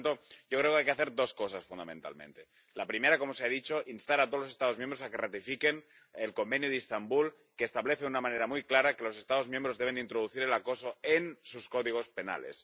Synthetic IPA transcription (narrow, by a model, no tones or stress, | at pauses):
nt̪oɟ͡ʝokɾeokajkeaθe̞ɾd̪o̞sko̞s̬asfund̪amẽ̞nt̪a̰lmḛ̃nt̪e̞ | lapɾime̞ɾako̞moseaðit͡ʃo̞ʔinst̪aɾat̪olose̞st̪aðo̞zmjembɾosakerat̪ifike̞n | elko̞mbe̞njoðist̪ambul | keːst̪aβleθeðunamãneɾamujklaɾakelo̞se̞st̪aðo̞zmjembɾozðe̞β̞enint̪ɾoð̞uθiɾelako̞soensuskoðiɣ̞o̞spe̞na̰lḛs